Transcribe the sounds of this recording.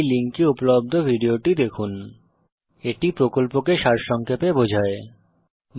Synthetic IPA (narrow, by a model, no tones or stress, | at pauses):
jliŋkiupolob̚d̪ʱobʱiɖioʈid̪ekʰun | eʈipɾokolpokeʃaɾʃɔŋkʰepebod͡ʑʱae | m